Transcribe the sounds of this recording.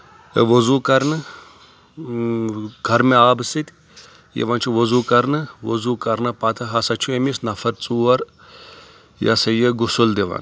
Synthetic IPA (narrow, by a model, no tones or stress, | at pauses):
ʋɐzukɐɾnɨ | ɡʱɐɾmeaːbɨsit̪ʲ | jḛʋɐnt͡ʃʰuʋɐzuːkɐɾnɨʋɐ̰zuːkɐɾnɨpat̪ʰɐɦɐsɐt͡ʃʰuemisnɐfɐɾt͡suːɐɾ | ja̰sɐjeɡusuld̪eʋɐ̰n